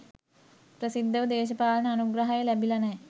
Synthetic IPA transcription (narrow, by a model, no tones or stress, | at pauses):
prɐsid̪ʱːɐʋɐd̪eːɕ̬ɐpaːlɐnɐːnuɡrɐɦɐjɐlɐbilɐne